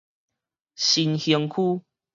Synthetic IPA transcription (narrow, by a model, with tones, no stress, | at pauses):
ɕi˧nhi˧˦ŋkʰu˦˧